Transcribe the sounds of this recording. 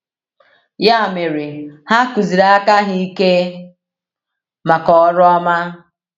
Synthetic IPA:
ja˦˨me˨ɾi˨ha˦ku˨zi˨ɾa˨a˦ka˦ɦi˦i˦ke˦ | ma˨kɔ˨˦ɾʊ˦ɔ˦ma˦

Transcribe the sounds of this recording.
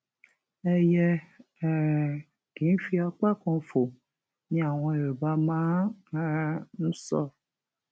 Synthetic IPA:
e˦jɛ˦˨ | ɡ̥ĩ˨˦fi˦a˨k͡pa˦kɔ̃˨fo˨ | nĩ˦a˨w̃ɔ̃˧e˨ɾe˨ba˦mã˦a˦nũ˦sɔ̰˦˨

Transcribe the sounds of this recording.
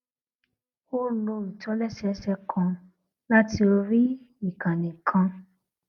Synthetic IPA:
o˦lõ˧mĩ˨tɔ̃˨˦lɛ˦˨ʃɛ˧˦ʃɛ˧kʰɔ̃˧ | la˦ti˧o˧ɾi˦ | i˦˨kã˨nĩ˨kʰã˧

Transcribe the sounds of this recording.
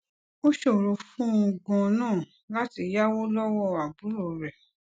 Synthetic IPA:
o˦ʃo˦˨ɾo˨˧fũ˦ũ˧ɡɔ̃˧nãː˦˨ | la˦ti˧ja˦wo˦lɔ˦wɔ˦a˨bu˨˦ɾo˧˨ɾɛ˨

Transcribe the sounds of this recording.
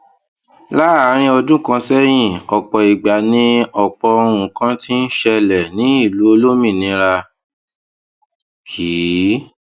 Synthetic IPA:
la˦˨˦ɾ̃ĩ˧˦ɔ˧dũ˦kã˧sɛ˦j̃ĩ˦˨ɔ˨k͡pɔ˨i˨ɡ͡ba˨nĩ˦ɔ˨k͡pɔ˧o˧ɾ̃ũ˨kã˦ti˦n̩˦ʃɛ˧lɛ˨nĩ˨˦i˦˨lu˨˦o˧lo˦mĩ˦˨nĩ˨˦ɾa˧ | kʰi˨˦

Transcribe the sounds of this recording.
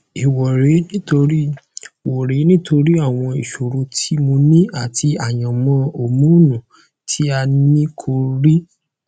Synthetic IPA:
i˨wɔ˨ɾe˨˦nĩ˦to˧ɾi˦wɔ˨ɾe˨˦nĩ˦to˧ɾi˦a˦˨w̃ɔ̃˧i˨ʃo˨ɾo˨˧tʰi˦mo˧nĩ˦a˦˨tʰi˧a˨j̃ã˨mɔ̃˧˦o˨mũ˨˦˨nũ˨ | tʰi˦a˧nĩ˦kʰo˧ɾi˦

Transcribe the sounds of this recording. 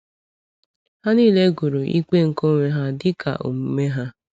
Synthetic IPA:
ha˦niː˦˨le˦ɡu˨ɾu˨ʔḭ˦k͡pe˦ŋ̩˨ko˦ŋʷe˦ɦa˦dɪ˦kʰa̰˨ʔo̰˨m̩˦me˦ɦa˦

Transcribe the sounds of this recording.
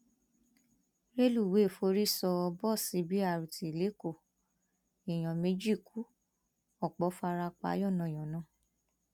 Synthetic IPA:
ɾe˦lu˦˨we˨˦˨fo˧ɾi˦sɔ˧bɔ˦˨si˧˦bi˨˦a˦˨ɾu˨tʰi˨le˨˦ko˦˨ | i˨j̃ɔ̃˨me˦d͡ʒi˦˨ku˨˦ | ɔ˦˨k͡pɔ˨˦fa˧ɾa˧k͡pa̰˨˦jɔ˦˨nã˨j̃ɔ̃˨nãː˦˨

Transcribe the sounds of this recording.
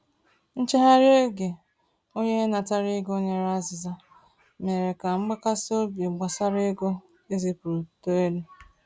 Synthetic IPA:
n̩˦t͡ʃe˦ɦa˦ɾe˦ɡe˨ | o˦ɲe˦na˨ta˦ɾi˦ɡo˦ɲe˦ɾa˦zɪ˨za˦ | me˨ɾe˨ka˨ŋ͡m̩˦ɡ͡ba˦ka˦sɪ˦o˦be˨ɡ͡ba˨sa˦ɾe˦ɡo˦ | e˦zi˨pu˨ɾu˨to˦e˦le˦

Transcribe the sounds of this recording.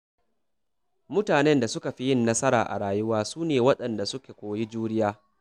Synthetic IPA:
mʊ˦taː˨nɛ˦nda˨sʊ˦ka˨ɸi˦jɪ˦˨nːɐ˦sɐ˦ɾa̰ː˨ʔa̰˨ɽaː˨jʊ˦waː˦suː˦neː˨wɐ˦ɗɐ˨nda˨sʊ˦kʲeː˨kʷoː˨ji˦d͡ʒuː˦ɽɪ˦jaː˦

